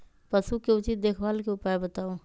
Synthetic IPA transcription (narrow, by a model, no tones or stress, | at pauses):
pɐsukːeʊt͡ʃiːt̪̚d̪eːkʰwaːlkeʊpaːebɐt̪aːũː